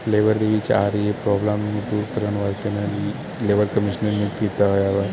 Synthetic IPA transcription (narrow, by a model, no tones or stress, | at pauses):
fleʋəɾd̪eʋit͡ʃʰaɾiepɾɔblamnud̪uɾkəɾʋanʋad͡ʒt̪enaɾi | leʋəɾkəmiʃnəɾmukt̪it̪aɦojaʋa